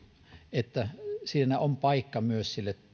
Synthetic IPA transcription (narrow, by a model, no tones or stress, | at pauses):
et̪ːæsiːnæompɑikːɑmyøssilːet